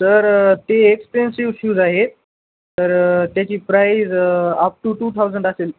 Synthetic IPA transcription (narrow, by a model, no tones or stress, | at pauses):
səɾt̪eːkspensiʋɕuːd͡zaɦe | t̪əɾt̪jat͡ɕiːpɾajzəp̚ʈuʈuːt̪ʰawzəɳɖaseːl